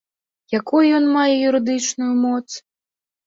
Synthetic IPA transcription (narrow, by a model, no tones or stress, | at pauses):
jakujujɔnmajɛjuɾɨd̪ɨt͡ʂnujumɔt̪s